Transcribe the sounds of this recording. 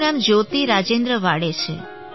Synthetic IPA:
ɾamd͡ʒot̪iɾad͡ʒend̪ɾəʋaɽet͡ʃʰḛ

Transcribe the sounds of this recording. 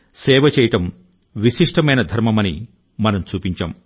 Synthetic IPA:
sɛːʋɐt͡ʃɛːjɐʈɐm | ʋiʃiʂʈɐmɐjnɐd̪ʱɐɾmɐmɐnḭ | mɐnɐmt͡ʃuːpiɲt͡ʃa̰ːm

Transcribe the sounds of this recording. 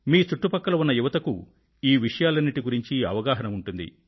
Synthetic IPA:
miːt͡ʃuʈːupɐkːɐlɐunːɐjuʋɐt̪ɐku | iːʋiʂɐjaːlɐnːiʈiɡuɾiɲt͡ʃiɐ̰ʋɐɡaːɦɐnɐmuɳʈund̪ḭ

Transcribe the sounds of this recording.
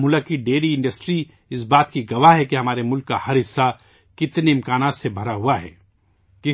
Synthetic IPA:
mʊlakiɖeːɾiɪ̃ɳɖɐsʈɾi | ɪsbaːt̪kiɡɐʋaɦɦɛkeɦɐmaːɾemʊlkːahɐɾɦɪsːa | kɪt̪neɪ̃mkaːnaːt̪sebʱɐɾaɦuaɦɛ̰ː | kɪ

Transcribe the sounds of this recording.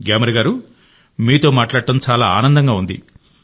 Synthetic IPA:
ɡaːmɾɐɡaːɾu | miːt̪o̞ːmaːʈlaːɽɐʈɐmt͡ʃaːlaːaːnɐnd̪ɐŋɡaːund̪ḭ

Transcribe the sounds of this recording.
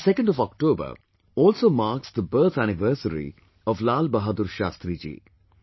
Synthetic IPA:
sɛkə̃nɖɔʋɔk̚ʈoːbə̰ɾ | ɔːlsoːmaːɾksd̪əbəːɾt̪ʰænɪʋəɾsəɾḭ | ɔʋlaːlbəɦad̪uɾʃaːst̪ɾid͡ʒḭː

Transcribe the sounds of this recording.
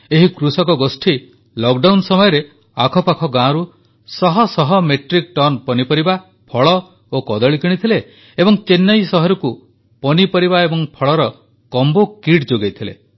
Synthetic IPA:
eɦikɾusɔkɔɡosʈʰi | lɔkɖawnsɔmɔjɔɾe | akʰɔpakʰɔɡãɾu | sɔɦɔsɔɦɔmeʈɾik̚ʈɔnpɔnipɔɾiba | pʰɔɭɔ | okɔd̪ɔɭikiɽ̃it̪ʰileː | bɔŋt͡ʃenːɔjsɔɦɔɾɔku | pɔnipɔɾibaebɔŋpʰɔɭɔɾɔ | kɔmbokiʈd͡ʒoɡejt̪ʰilḛ

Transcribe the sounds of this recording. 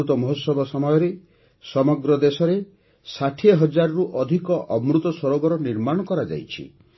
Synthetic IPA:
ut̪ɔmɔɦosɔbʱɔsɔmɔjɔɾe | sɔmɔɡɾɔd̪esɔɾe | saʈʰieɦɔd͡ʒaɾɔɾuʔɔd̪ʱikɔʔɔmɾut̪ɔsɔɾoɡɔɾɔniɾmaɽ̃ɔkɔɾad͡ʒa̰jt͡ʃʰḭ

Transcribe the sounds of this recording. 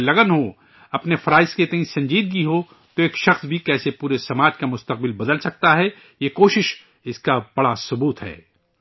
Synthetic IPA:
lɐɡənɦo | ɐpnefɐɾaːɪsket̪ɐ̃ĩsɐ̃ɲd͡ʒiːd̪̚ɡiɦo | t̪oeːkʃɐxsbʱikɛːsepuːɾesɐmaːd͡ʒkamʊst̪ɐq̚bɪlbɐd̪əlsɐk̚t̪aɦɛ | jekoːʃɪʃ | ɪskab̥ɐɽasʊbuːt̪ɦɛ̰ː

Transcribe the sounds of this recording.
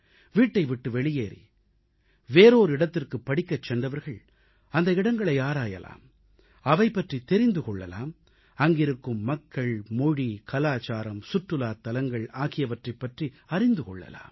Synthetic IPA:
ʋiːʈːɐɪʋɪʈːɯʋɛɭɪjeːɾḭ | ʋeːɾoːɾɪɽɐt̪ːɪrkɯpːɐɽɪkːɐt͡ʃːɛnd̪ɐʋɐɾɣɐɭ | ɐnd̪ɐɪɽɐŋɡɐɭɐɪaːɾaːjɐ̰la̰ːm | ɐʋɐɪpːɐʈrit̪ɛɾɪnd̪ɯkɔɭːɐ̰la̰ːm | ɐŋɡɪɾɯkːɯmːɐkːɐɭmɔɻikɐlaːt͡ʃaːɾɐmsʊʈrɯlaːt̪ːɐlɐŋɡɐɭaːɣɪjɐʋɐʈrɐɪpːɐʈri | ɐrɪnd̪ɯkɔɭːɐ̰la̰ːm

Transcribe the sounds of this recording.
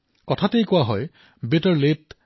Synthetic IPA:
kɔtʰatejkwaɦɔj | bitəɹlit

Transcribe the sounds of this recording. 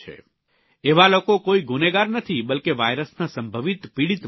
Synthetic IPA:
ḛ | eʋalokokoiɡuneɡaɾnət̪ʰibəlkeʋajɾəsnasəmbʱəʋit̪piɽit̪

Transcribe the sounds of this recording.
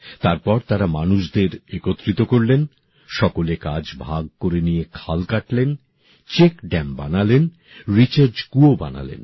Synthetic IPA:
t̪aɾpɔɾt̪aɾamanuʃd̪eɾekot̪ːɾit̪okoɾlen | ʃɔkolekad͡ʑbʱaɡ̚koɾenijekʰalkaʈlen | t͡ɕekɖɛmbanalen | ɾit͡ɕaɾd͡ʑkuoba̰na̰lḛn

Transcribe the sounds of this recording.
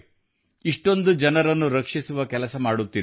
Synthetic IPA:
iʂʈo̞nd̪ud͡ʒɐnɐɾɐnːuɾɐkʂisuʋɐkɛlɐsɐmaːɽut̪ːid

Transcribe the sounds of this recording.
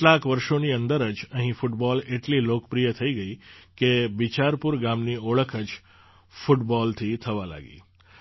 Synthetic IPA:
ʈlakʋəɾʃoniənd̪əɾəd͡ʒəɦĩfuʈbɔleʈlilokəpɾijət̪ʰəiɡəikebit͡ʃaɾpuɾɡamnioɭəkʰəd͡ʒ | fuʈbɔlt̪ʰit̪ʰəʋala̰ɡḭ

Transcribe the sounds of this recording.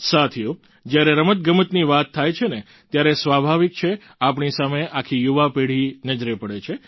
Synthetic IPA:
sat̪ʰiju | d͡ʒjaɾeɾəmət̪̚ɡəmət̪niʋat̪ʰːajt͡ʃʰene | t̪jaɾesʋabʱaʋik̚t͡ʃʰe | apɳisameʔakʰijuʋapeɽ̤inəd͡ʒɾepəɽet͡ʃʰe

